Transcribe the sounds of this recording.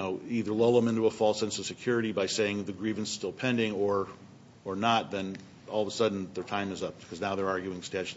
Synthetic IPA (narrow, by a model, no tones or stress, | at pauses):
oʊiðə˞loʊlˠðə̃mɪ̃ntuəfɔlˠsɛ̃nsʌv̥sɨkʰj̥ʊɹɨɾibaɪseɪɪ̃ŋðɨɡɹivɨ̃n̩sstɪlˠpʰɛ̃ndɪ̃ŋə˞ | ə˞nət̪̚ðɨ̃n | ɔlˠðəsʌdⁿn̩ðə˞tʰãɪ̃mɨzʌp̚b̥kʰʌznaʊðə˞ɑɹɡjʉɪ̃ŋstɛd͡ʒ